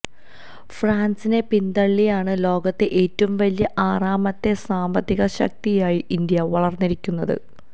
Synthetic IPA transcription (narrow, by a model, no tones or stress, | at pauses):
fraːnsine̞pind̪ɐɭːijaːɳɨlo̞ːɡɐt̪ːeʔeːtːɐʋumʋɐlijɐʔaːraːmɐt̪ːe̞saːmbɐd̪ːiɣɐɕɐ̰k̚t̪ijaːjiʔind̪jɐʋɐɭɐrnːiɾikʲːunːɐðɨ̰